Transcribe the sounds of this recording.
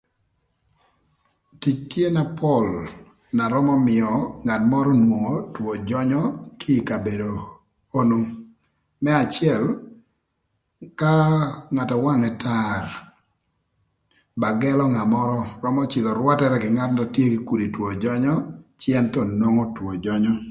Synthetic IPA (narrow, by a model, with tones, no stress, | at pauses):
ti˨t͡ʃtje˦na˨pʰɔ˦˨l | na˨ɾɔ˦mɔ˦mɪ˨ɔ˨ŋa˨tmɔ˦ɾɔ˦nwo˨ŋo˨two˨d͡ʒɔ˦ɲɔ˦kʰɪː˦˨ka˨be˨do˨ | o˦no˦ŋ | mɛ˦a˨t͡ʃɪɛ˦l | ka˦ŋa˨tɔ˨wa˦ŋɛ˨tʰa˦r | ba˨ɡɛ˦lɔ˦ŋa˨mɔ˦ɾɔ˦ɾɔ˦mɔ˦t͡ʃɪ˨ðɔ˨ɾwa˦tɛ˦ɾɛ˦ɡɪ˨ŋa˦tndɔ˨tje˦ɡɪ˨ku˨di˨two˨d͡ʒɔ˦ɲɔ˦t͡ʃjɛ˦nt̪ɔ˨nwo˦ŋo˦two˨d͡ʒɔɲɔ˦